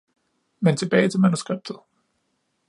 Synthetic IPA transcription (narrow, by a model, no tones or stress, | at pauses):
ment͡sʰe̝b̥ɛːɪt͡sʰe̝lmænusɡ̥ʁɛb̥̚d̥ð̩ˠ